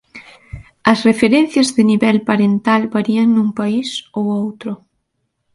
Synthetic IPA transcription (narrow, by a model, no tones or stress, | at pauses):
ɐsrefeɾɛnθjɐzðɪniβɛlpaɾent̪albaɾiɐŋnuŋpaisowowt̪ɾʊ